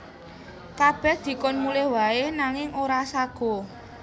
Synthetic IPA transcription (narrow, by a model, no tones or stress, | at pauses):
kab̥ɛ̤hd̪̥i̤kʊnmulɛhwaenaŋɪŋoɾasaɡ̥ɔ̤